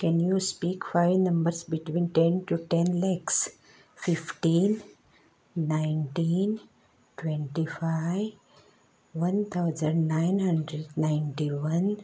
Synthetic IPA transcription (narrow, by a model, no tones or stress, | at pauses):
kɛ̃njuspiːkfaɪʋnʌ̃mbəɾsbɪʈʋĩːnʈẽnʈuʈɛ̃nlɛks | fifʈĩnː | ãɪ̃nʈĩn | ʈwɛ̃ɳʈifa | ʋʌ̃nt̪ʰaʊd͡ʒə̃ɳɖnãɪnhə̃ɳɖɾeɖnãɪ̃nʈiʋʌ̃n